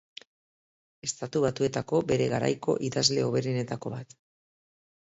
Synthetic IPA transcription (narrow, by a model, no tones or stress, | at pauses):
e̞st̪at̪uβat̪ue̞t̪ako̞be̞ɾe̞ɣaɾa̰jko̞ʔiðazle̞o̞β̞e̞ɾine̞t̪ako̞βat̪